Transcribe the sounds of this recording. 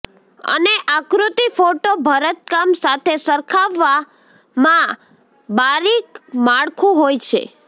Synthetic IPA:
ə̰neʔakɾut̪ifoʈobʱəɾət̪̚kamsat̪ʰesəɾkʰaʋːa | mã | baɾikmaɽkʰũɦojt͡ʃʰḛ

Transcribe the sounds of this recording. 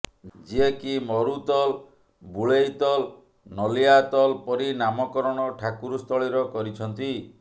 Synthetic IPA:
d͡ʒiekimɔɾut̪ɔl | buɭejt̪ɔl | nɔliat̪ɔlpɔɾinamɔkɔɾɔɽ̃ɔʈʰakuɾust̪ʰɔɭiɾɔkɔɾit͡ʃʰɔnt̪i

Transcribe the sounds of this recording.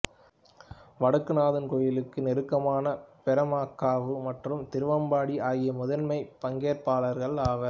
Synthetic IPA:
ʋɐɽɯkːɯnaːðɯnkɔjɪlɯkːɯnɪɾɯkːɐmaːnɐpɛɾɐmaːkːaːʋɯmɐʈrɯmt̪ɪɾɯʋɐmbaːɽiʔaːɣɪjɐmʊðɐnmɐɪpɐŋɡeːɾpaːlɐɾɣɐɭaːʋɐɾ

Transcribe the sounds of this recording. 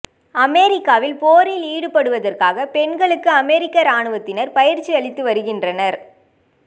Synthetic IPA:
ɐmeːɾɪkːaːʋɪlpoːɾɪliːɽɯpɐɽɯʋɐðɐrkaːɣɐpɛɳɡɐɭɯkːɯɐmɛɾɪkːɐɾaːɳɯʋɐt̪ːɪnɐɾpɐjɪɾt͡ʃːiɐɭɪt̪ːɯʋɐɾɯɣɪndrɐnɐɾ

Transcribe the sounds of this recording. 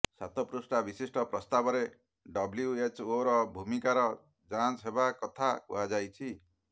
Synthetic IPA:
sat̪ɔpɾusʈabisisʈɔpɾɔst̪abɔɾe | ɖɔbljuet͡ʃoɾɔbʱumikaɾɔ | d͡ʒãt͡ʃɦebakɔt̪ʰakṵɦad͡ʒajt͡ʃʰi

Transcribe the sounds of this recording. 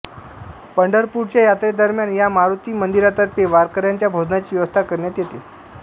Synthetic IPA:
pəɳɖəɾpuɾt͡ɕjajat̪ɾed̪əɾmjanjamaɾut̪iːmənd̪iɾat̪əɾpeʋaɾkəɾjaɲt͡ɕjabʱod̪nat͡ɕiːʋjəʋəst̪ʰakəɾɳjat̪jet̪e

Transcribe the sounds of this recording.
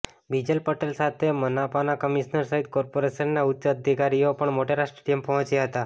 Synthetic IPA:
bid͡ʑəlpəʈelsat̪ʰemənapanakəmiʂnəɾsəɦit̪kɔɾpoɾesənːaut̪ːt͡ʃəəd̪ʱikaɾijopəɳmoʈeɾaʂʈɾəʈimpəɦɔ̃t͡ɕjaɦət̪a

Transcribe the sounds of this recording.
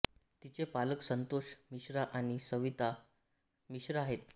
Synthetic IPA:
t̪it͡sepaləksənt̪oɕmiɕɾaʔaɽ̃isəʋit̪a | miɕɾəaɦet̪̚

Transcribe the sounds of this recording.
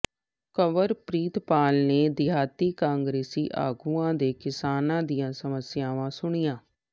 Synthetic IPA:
kəʋəɾpɾiːt̪paːlneːd̪ɪɦaːt̪iːkãːŋɡɾeːsḭːʔa̰ːɡuãːd̪eːkɪsaːnãːd̪ijãːsəməsjaːʋãːsʊɽ̃ijãː

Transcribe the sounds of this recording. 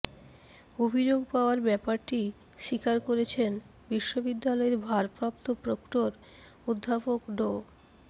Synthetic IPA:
obʱid͡ʑoɡpaoaɾbɛpaɾʈi | ʃikaɾkoɾet͡ɕʰen | biʃːobid̪ːalɔeɾbʱaɾpɾap̚t̪opɾokʈoɾ | ud̪ʱːapokɖo

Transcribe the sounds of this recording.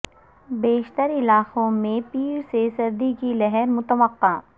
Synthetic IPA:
beːʃt̪əɾɪlaːqõmẽpiːɾsesɐɾd̪ikilɛɦɛɾmʊt̪əʋəqːaː

